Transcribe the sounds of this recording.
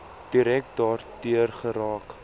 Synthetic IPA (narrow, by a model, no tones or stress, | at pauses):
d̥iɾɛk̚dɑːrdiərχəɾɑːk